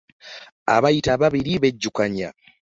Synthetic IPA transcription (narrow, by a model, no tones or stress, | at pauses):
a̰βajitaβaβiɾiβeɟːukaɲa̰